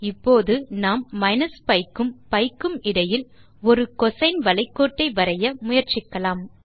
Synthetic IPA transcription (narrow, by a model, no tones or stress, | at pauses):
ɪpːoːðɯnaːmːɐɪnɐspɐɪkːɯmpɐɪkːɯmɪɽɐjɪl | ɔɾɯkɔsɐɪnʋɐlɐɪkːoːʈːɐɪʋɐɾɐjɐmʊjɐɾt͡ʃɪkːɐlaːm